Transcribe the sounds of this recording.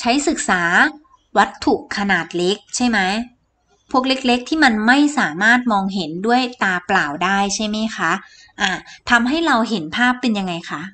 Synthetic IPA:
t͡ɕʰa˦˥jsɯ˨˩k̚saː˩˦ | wa˦˥t̪ʰːu˨˩kʰːa˧naː˨˩t̪̚le˦˥k̚t͡ɕʰa˥˩jma˦˥j | pʰu˥˩ək̚le˦˥k̚le˦˥k̚t̪ʰiː˥˩ma˧nma˥˩jsaː˩˦maː˥˩t̪̚mɔː˧ŋɦe˩˦ndu˥˩əjt̪aː˧plaː˨˩wdaː˥˩jt͡ɕʰa˥˩jma˦˥jxʰa˦˥ʔ | ʔaː˧˩t̪ʰa˧mɦa˥˩jɾa˧wɦe˩˦npʰaː˥˩pːe˧nja˧ŋːa˧jxʰa˦˥ʔ

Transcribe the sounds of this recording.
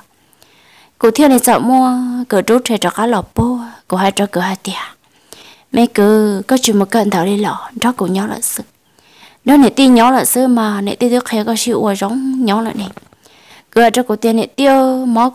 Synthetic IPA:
ku˧˨t̪ʰi˦o˦˧nĩ˧t͡sa˧˨˧mũ˦a˧kɨ˨ʈ͡ʂu˨˦ʈ͡ʂʰe˧˨ʈ͡ʂa˧˨ka˦lɔ˨po˦˧ko˨ha˧ʈ͡ʂa˧kɨ˨ha˧t̪i˧a˧ | mʔẽ˧˦˧kɨ˨˧˨ko˦t͡ʃi˧˨mũ˧ka˦˨˧nd̪a˨ɾi˧lɔ˨nɖ͡ʐa˦ku˨ɲɔ̃˨˦la̰˧˨sɨ˦ | nõ˦nẽ˨t̪i˦˧ɲɔ̃˨˦la˨sɨ˦mã˧nḛ̃˧˨t̪i˦˧t̪i˦kʰe˧˨˦ka˧ʃi˧ʔu˧a˧ʒo˨˦ŋɲɔ̃˨˦la̰˧˨ʔnĩ˧ | kɨ˧a˧ʈ͡ʂa˦ku˨t̪i˧a˧nẽ˧t̪i˦o˧mɔ̃˨˦

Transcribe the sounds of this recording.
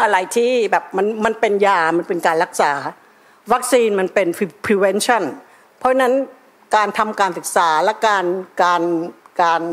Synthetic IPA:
ʔa˧ɾa˨˩jt̪ʰiː˥˩bɛː˨˩p̚ma˧nma˧npe˧njaː˧ma˧npe˧nkaː˧nɾa˦˥k̚saː˩˦ | wa˦˥k̚siː˧nma˧npe˧n˧pʰi˧we˦˥nt͡ɕʰɔ˥˩n | pʰɔ˦˥na˦˥n | kaː˧nt̪ʰa˧mkaː˧nsɯ˨˩k̚saː˩˦lɛ˦˥kaː˧nkaː˧nkaː˧n

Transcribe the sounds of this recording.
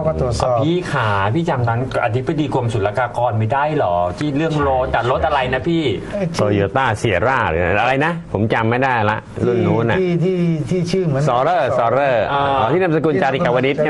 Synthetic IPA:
kɔ˥˧˩u˨˩ət̪ɔ˨˩pi˦˥kʰaː˩˦pʰiː˥˩t͡ɕa˧mt̪ʰa˦˥nʔa̰˧t̪ʰi˦˥ba˧diː˧ku˧əmsu˨˩t̪la˧kaː˧kɔː˧nma˧˥˩jdaː˥˩jlɔː˨˩t͡ɕʰiː˥˩t̪̚lɯ˥˩əŋloː˧t͡ɕa˨˩t̪̚lo˦˥t̪̚ʔa˧ɾa˧jna˦˥pʰiː˥˩t̪oː˧joː˧t̪aː˥˩si˩˦ɐɾaː˥˩ɾ̰ʔa˧ɾa˧jna˦˥pʰo˩˦mt͡ɕa˧mːa˥˩jda˥˩jla˦˥ʔlu˥˩nːuː˦˥nʔa˧˨˥t̪ʰiː˥˩t̪ʰiː˥˩t͡ɕʰɯː˥˩m˩˦sɔː˨˦ɾɤː˥˩sɔː˨˦ɾɤː˥˩˧t̪ʰiː˥˩na˧msa˧kuː˧nt͡ɕaː˧t̪iː˨ka˨˩wa˧ni˦˥t̪̚

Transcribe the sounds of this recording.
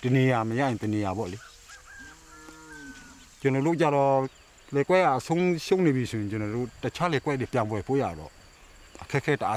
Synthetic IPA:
tə˨ne˨ja˨məja̰˦˨jɪ̃˨t̪ə˨ne˨ja˨bɔ̰˦˨le˨˦ | t͡ɕə˨nɔ˨ɾo̰˦˨t͡ɕa˦˨ɾɔ˦˨ | lɛ˨kwɛ˦ɡa˨ʔə˨sʰõ˦ʊ̃ʃo˦˨ʔne˨bi˨sʰo˨jɪ̃˨t͡ɕə˨nɔ˨do̰˦˨tə˨t͡ɕʰa˦lɛ˨kwɛ˦ʔde˨pjã˨mbwɛ˨pʰo̰˦˨ja̰˨dɔ̰˦˨ | ʔə˨kʰɛ˦ʔkʰɛ˦tə˨ʔa˦

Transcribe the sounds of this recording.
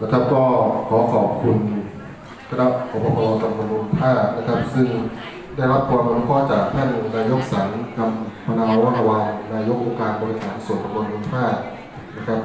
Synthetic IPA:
na˦˥kʰa˦˥p̚kɔː˥˩kʰɔː˩˦kʰɔː˨˩p̚kʰu˧n | t̪ʰa˧˥˩la˦˥pʔʰoː˧˩pʰɔ˧pɔː˧t̪a˧mbo˧nbu˧npʰaː˥˩t̪̚na˦˥kʰa˦˥p̚sɯ˥˩ŋ | daː˥˩jɾa˦˥p̚kʰːɔː˧na˧˥˧kʰɔː˥˩t͡ɕaː˨˩k̚t̪ʰa˥˩nnaː˧jo˦˥k̚sa˩˦ŋka˧mpʰa˧naː˧ɾwa˥˩ɾa˧wa˧ŋnaː˧jo˦˥k̚ʔoː˧ŋkaː˧nbɔː˧ɾi˥t̪a˨˩n̚pʰu˧˥su˨˩˦nt̪a˧mbo˧nmu˧npʰaː˥˩t̪̚ | na˦˥kʰa˦˥p̚

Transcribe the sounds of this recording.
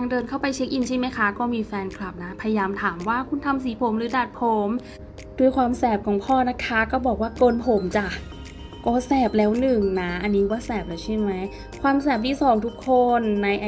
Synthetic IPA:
a˧ŋdɤː˧nkʰa˥˩wpa˧jt͡ɕʰiː˦˥k̚ʔi˨˩nt͡ɕʰaː˦˥˩ma˦˥jkʰa˦˥kɔː˥˩miː˧fɛː˧nkʰla˨˩p̚na˦˥pʰa˧ja˧jaː˧mt̪ʰaː˩˦mwaː˥˩kʰu˧˩nt̪ʰa˧ms̬iː˨˩˦pʰo˩˦mɾɯː˩˦daː˨˩t̪̚pʰo˩˦m | duː˧əjkʰwaː˧msɛː˨˩p̚kʰɔː˨˦ŋpʰɔː˥˩na˦˥kʰa˦˥kɔː˥˩bɔː˨˩k̚waː˥˩kɤː˧npʰo˨˩˦mt͡ɕa˧˩ʔ | kɔː˧˥˩sɛː˨˩p̚lɛː˦˥wnɯ˨˩ŋna˦˥ʔa˧nːiː˦˥kɔː˥˩sɛː˨˩p̚la˧˩wt͡ɕʰa˥˩ma˦˥j | kʰwaː˧msɛː˨˩p̚t̪ʰiː˥˩sɔː˨˦ŋt̪ʰu˦˥kʰːo˧nːa˧jʔa˧

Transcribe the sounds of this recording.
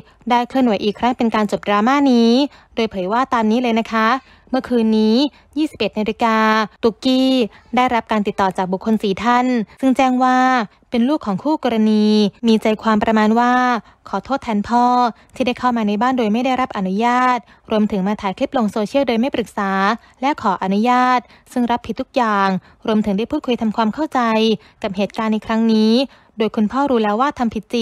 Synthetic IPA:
daː˥˩jkʰɯ˥˩ənwa˩˦jʔiː˨˩kʰɾa˦˥ŋpe˧nkaː˧nt͡ɕo˨˩p̚dɾaː˧maː˥˩niː˦˥ | doː˧jpʰɤː˩˦jwaː˥˩t̪aː˧mniː˦˥lɤː˧jna˦˥kʰa˦˥ | mɯ˥˩əkʰɯː˧nːiː˦˥ | jiː˥˩i˨˩p̚ʔe˨˩t̪̚naː˧li˧kaː˧t̪u˨˩kiː˥˩daː˥˩jɾa˦˥p̚kaː˧nt̪i˨˩t̪ːɔː˨˩t͡ɕaː˨˩k̚bu˨˩kʰːo˧nsiː˩˦t̪ʰa˥˩nsɯ˥˩ŋt͡ɕɛː˥˩ŋwaː˥˩ | pe˧nluː˥˩kʰːɔː˩˦ŋkʰuː˥˩kɔː˧ɾa˧niː˧miː˧t͡ɕa˧jkʰwaː˧mpɾa˧maː˧nwaː˥˩ | kʰɔː˩˦t̪ʰoː˥˩t̪ʰːɛː˧npʰɔː˥˩t̪ʰiː˥˩da˥˩jkʰa˥˩wmaː˧na˧jbaː˥˩ndoː˧jma˥˩jda˥˩jɾa˦˥p̚ʔa˧nu˦˥jaː˥˩t̪̚ | ɾu˧əmt̪ʰɯ˩˦ŋmaː˧t̪ʰaː˨˩˦jkʰli˦˥p̚lo˧ŋsoː˧t͡ɕʰi˥˩wdoː˧jma˥˩jpɾɯ˨˩k̚saː˩˦ | lɛ˦˥kʰɔː˩˦ʔa˧nu˦˥jaː˥˩t̪̚ | sɯ˥˩ŋɾa˦˥pʰːi˨˩t̪ʰːu˦˥k̚jaː˨˩ŋ | ɾu˧əmt̪ʰɯ˩˦ŋda˥˩pʰu˥˩t̚kʰu˧jt̪ʰa˧mkʰwaː˧mkʰa˥˩wt͡ɕa˧j | ka˨˩p̚hɦeː˨˩t̪̚kaː˧nːa˧jkʰɾa˦˥ŋniː˦˥ | doː˧jkʰu˧npʰɔː˥˩ɾuː˧lɛː˦˥waː˥˩t̪ʰa˧mpʰi˨˩t̪̚t͡ɕi˨˩

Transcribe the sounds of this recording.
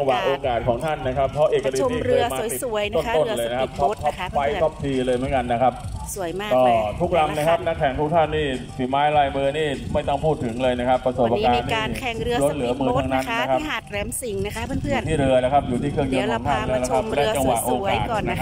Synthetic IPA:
a˧ŋwa˨˩ʔoː˧kaː˨˩t̪̚kʰɔː˩˦ŋt̪ʰa˥˩nːa˦˥kʰa˦˥p̚pʰɔː˦˥ʔiː˨˩k̚ːa˧dɯt͡ɕ̪ːɾɯ˧˩maː˧˨˩ju˨˩˦əjt̪o˥˩nt̪o˥˩nlɤː˧jna˦˥kʰa˦˥p̚t̪ʰɔ˦˥p̚t̪ʰɔ˦˥p̚fa˦˥jt̪ʰɔ˦˥p̚t̪ʰiː˧lɤː˧jm˩˦nka˧nːa˦˥kʰa˦˥p̚su˩˦ja˥˧kɔː˧˩t̪ʰu˦˥k̚ɾa˧mna˦˥kʰa˦˥p̚na˦˥kʰːɛ˩˦ŋt̪ʰu˦˥k̚t̪ʰa˥˩nːiː˥˩fi˨˩˦maː˦˥jɾaː˧jmɯː˧niː˥˩ma˥˩jt̪ɔ˥˩ŋpʰuː˥˩t̪ʰːɯ˩˦ŋlɤː˧jna˦˥kʰa˦˥pːɾa˧so˨˩˧a˧kaː˧nːiːa˩˧kʰɛ˨˩ŋɾɯ˧ɾo˦˥t̪̚lɯ˩˦ɐmɯː˧t̪ʰa˦˥ŋna˦˥nːna˦˥kʰa˦˥p̚a˨˩ɾɛː˨˩˥msi˩˦ŋna˦˥kʰa˦˥˧ɯ˥˩uː˨˩t̪ʰiː˥˩ɾɯ˧ɐla˦˥˩kʰa˦˥p̚juː˨˩iː˥˩kʰɯ˥˩əŋjɯ˧nkʰɔ˨˩˦ŋt̪ʰa˥˩nlɛː˦˧˥la˦˥kʰa˦˥ɛː˦˥˩t͡ɕa˧ŋwa˨˩ʔoː˧kaː˨˩t̚ːna˦˥a

